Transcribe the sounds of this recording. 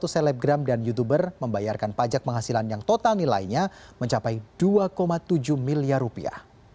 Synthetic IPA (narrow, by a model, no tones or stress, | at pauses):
t̪usɛlɛp̚ɡɾamdanjut̪̬ubərməmbajarkanpad͡ʒak̚pəŋɦasilanjaŋt̪ot̪alnila̰iɲaməɲt͡ʃapajd̥uakomat̪ud͡ʒuhmiliarupia̰h